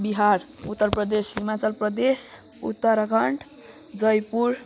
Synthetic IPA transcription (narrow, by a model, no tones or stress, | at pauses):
biɦaɾut̪ːʌrprʌd̪esɦimat͡sʌlprʌd̪es | ṵt̪ːʌɾɡʱʌɳʈ | d͡zʌjpuɾ